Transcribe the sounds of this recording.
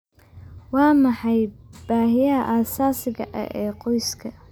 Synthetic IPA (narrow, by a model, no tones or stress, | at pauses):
wɑːmɑħɑjb̥aːɦɪjɐɐʔaːsaːsɪɣɐ̰ʔɐ̰ʔɛːqɔjskʰɐ